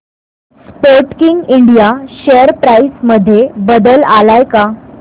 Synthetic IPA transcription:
spoɾʈkiŋɡiɳɖijaɕejəɾpɾaisməd̪ʱːjebəd̪əlalajka

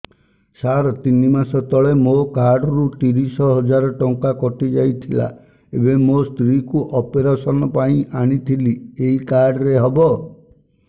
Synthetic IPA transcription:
saɾɔt̪inimasɔt̪ɔɭemokaɾɖɔɾut̪iɾisɔɦɔd͡ʒaɾɔʈɔŋkakɔʈid͡ʒajt̪ʰila̰ | ebemost̪ɾikuʔɔpeɾasɔnɔpaĩʔaɽ̃it̪ʰilieikaɾɖɔɾeɦɔbɔ

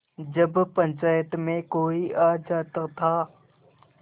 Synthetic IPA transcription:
d͡ʒəbpə̃ɲt͡ʃaːjət̪mẽkoːiʔaːd͡ʒaːt̪əkt̪ʰaː

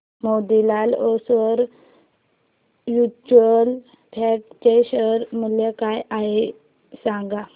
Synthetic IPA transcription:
mod̪ilalɔsəɾ | jut͡ɕuəl | pʰɛʈ̚t͡ɕeɕəɾməljekajaɦe | sãŋɡa

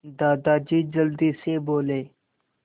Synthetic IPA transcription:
d̪aːd̪aːd͡ʒiːd͡ʒəld̪iːseːboːleː

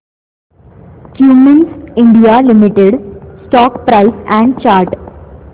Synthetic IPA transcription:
kjuːmə̃nsɪ̃ɳɖijalɪmɪʈeɖsʈɔːkpɾaɪsɛ̃ɳɖ̚t͡ʃaːɾʈ

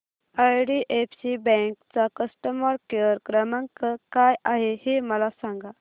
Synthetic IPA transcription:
ajɖiʔefsibɛ̃ŋkt͡sakəsʈəməɾkeəɾkɾəmə̃ŋkəkajaɦeheməlasãŋɡa

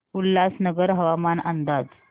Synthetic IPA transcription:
ulːasnəɡəɾɦəʋamanənd̪ad͡z

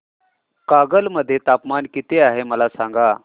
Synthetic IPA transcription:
kaɡəlməd̪ʱːjet̪apmankit̪eaɦeməlasãŋɡa

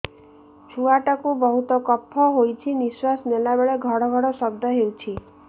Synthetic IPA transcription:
t͡ʃʰuaʈakubɔɦut̪ɔkɔpʰːɔɦojt͡ʃʰiniswasnelabeɭeɡʱɔɽɔɡʱɔɽɔsɔb̚d̪ʱɔɦewt͡ʃʰi

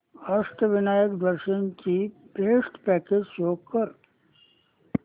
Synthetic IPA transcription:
ɐʂʈ̪əʋɪnaːjəkd̪ɐɾʃənkipeːʂʈpɛːkeːd͡ʒsoːɡ̚kɐɾ

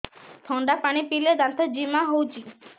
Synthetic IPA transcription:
t̪ʰɔɳɖapaɽ̃ipiled̪ant̪ʰɔd͡ʒimaɦowt͡ʃi

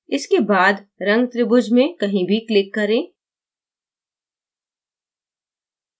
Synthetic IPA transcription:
ɪskebaːd̪ɾɐ̃ŋɡt̪ɾɪbʊd͡ʒmẽkɐɦĩbʱiklɪkːɐɾẽː

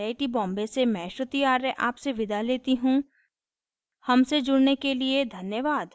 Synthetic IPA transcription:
aːɪʈibɔ̃ːmbesemɛ̃ʃɾʊt̪iaːɾeʔaːpseʋɪd̪ʱaleːt̪iɦũ | hɐmsed͡ʒʊɽnekelied̪ʱɐnjəʋaːd̪

